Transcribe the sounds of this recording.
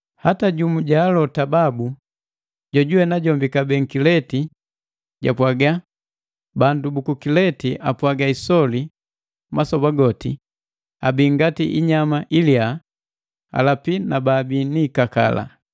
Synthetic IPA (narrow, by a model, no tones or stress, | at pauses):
hataɟumuɟaːlɔtababu | ɟɔɟuwɛnaɟɔmbikabɛŋ̩kilɛti | ɟapwaɡa | bandubukukilɛtiʔapwaɡaisɔli | masɔbaɡɔti | abiŋɡatiʔiɲamaʔilia | a̰lapinababiniːkaka̰la̰